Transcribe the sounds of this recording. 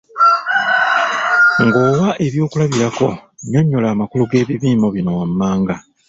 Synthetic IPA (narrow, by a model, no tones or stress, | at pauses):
ŋɡo̞ːβaʔe̞βjo̞ːkulaβiɾako̞ɲoɲːolaːmakuluɡe̞ːβiβiːmo̞βino̞wamːaːŋɡa